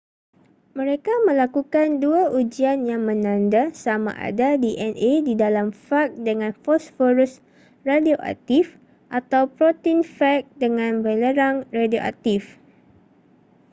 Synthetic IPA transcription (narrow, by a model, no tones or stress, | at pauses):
mə̃ɾekamə̃lakukanduaʔud͡ʒianjaŋmə̃nãndasamã̰ʔa̰dadiʔɛnedidalamfak̚dəŋãnfɔsfɔɾus | radioʔa̰k̚t̪if | ʔat̪awpɾot̪infɛk̚dəŋãnbələɾaŋradioʔa̰k̚t̪if